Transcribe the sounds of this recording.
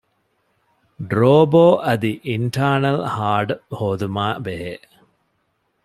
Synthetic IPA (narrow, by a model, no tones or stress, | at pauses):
ɖɾoːboːʔɐd̪iʔiɳʈʰaːnɐlhaːɖhoːd̪umaːbeɦeː